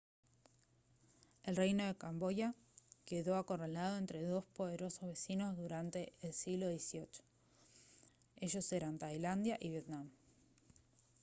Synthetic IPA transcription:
e̞lrejno̞ðe̞kambo̞ja | ke̞ðo̞ako̞relað̞o̞ent̪ɾe̞ðo̞spo̞ð̞e̞ɾo̞sozβe̞sino̞zðuɾant̪e̞ːlsiɣlo̞ðjesio̞t͡ʃo̥ | e̞ʒo̞se̞ɾant̪ajland̪jaʔiβje̞t̪nam

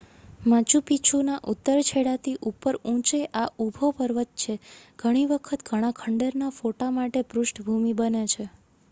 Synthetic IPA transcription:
mãt͡ʃupit͡ʃʰunaʔut̪ːəɾt͡ʃʰeɽat̪ʰiʔupəɾũt͡ʃeʔaʔubʱopəɾʋət̪̚t͡ʃʰeɡ̥ʱəɽ̃iʋəkʰət̪ɡʱəɽ̃ãkʰəɳɖeɾnafoʈamaʈepɾʊsʈbʱumibənet͡ʃʰe

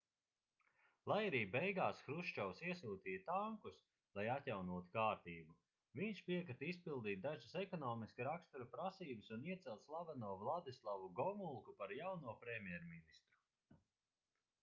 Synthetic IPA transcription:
lˠajaɾiːbejɡaːsxɾuʃt͡ʃawsiɛsuːt̪iːjt̪aŋkus | lˠajat̪ʲjawnuɔt̪u̥kaːɾt̪iːbu | viɲʃpiɛkɾɨt̪ispilˠd̪iːt̪̚d̪aʒɨsɛkɔnɔːmiskɾakst̪uɾupɾasiːbɨsuniɛt̪sɛlˠt̪slˠabanuɔvlˠad̪islˠavuɡɔmulˠkupaɾjawnuɔpɾɛmʲjɛɾminist̪ɾu

